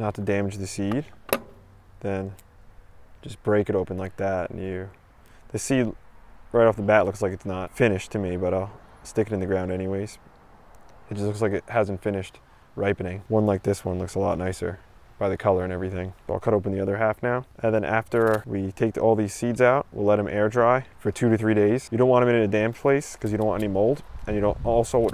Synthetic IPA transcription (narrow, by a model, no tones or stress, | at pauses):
nətʰɨdæmɨd͡ʒðɨsid̚ | ðɨ̃n | d͡ʒʌsb̥ɹeɪkɨɾoʊpə̃n̩laɪk̚ðæt̚njɨ | ðɨsidɹaɪɾɔfðəbæʔˡlʊkslaɪkɨtsnətfɪ̃ɾ̃ɨʃtʰɨmibʌɾaɪlˠstɪkɨɾɨ̃nðɨɡɹãʊ̃ndɛñiweɪz̥ | ɨt̚dʒ̥ʌstlʊkslaɪkɨt̚hæzn̩tfɪ̃ñɨʃt | ɹaɪpɨ̃nɪ̃ŋwʌ̃nlaɪk̚ðɪswʌ̃nlʊksəlɔ̰tⁿnaɪsə̰˞b̥aɪðɨkʰʌlˠə˞ɨ̃ñɛvɹiθɪ̃ŋb̥ʌɾaɪlˠkʰʌɾoʊpn̩ðiʌðə˞ɦæfnaʊʔɨ̃nðɨ̃nʔæ̰ftə˞witʰeɪk̚tʰɔlˠðiz̥sidzaʊt̚wḭlɛt̚hɨ̃mʔɛɹdɹaɪfə˞tʰʉɾɨθɹideɪz̥jɨɾõʊ̃nʔwɑ̃ñɨ̃mɨ̃nɨ̃nɨdæ̃mpʰl̥eɪskʰʌzjɨõʊ̃nʔw̃nɛ̃imoʊlˠdʔɨ̃njɨɾõʊ̃ntɔlˠsoʊwʌ